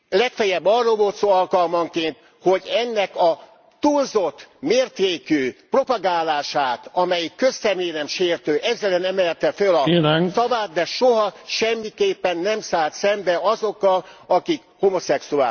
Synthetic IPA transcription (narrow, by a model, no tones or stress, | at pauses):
lɛkfɛjɛbːɒrːolvoːt̪soːɒlkɒlmɒŋkeːnt̪ | ho̞ɟɛnːɛkɒ | t̪uːlzo̞t̪ːmeːrt̪eːkyːpro̞pɒɡaːlaːʃaːt̪ɒmɛjikːø̞sːɛmeːnɛmʃeːrt̪øːʔɛzːɛlɛnɛmɛlt̪ɛfølɒinŋsɒvaːd̪̚d̪ɛʃoɦɒʃɛmːikeːpːɛnːɛmsaːlt̪sɛmbɛɒzo̞kːɒlɒkikhomo̞sɛksua̰ː